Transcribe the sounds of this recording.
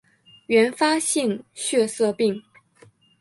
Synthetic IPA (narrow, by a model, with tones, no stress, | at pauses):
ɥɛ˧˥nfa˥ɕi˥˧ŋɕɥɛ˥˧sɤ˥˧pi˥˩ŋ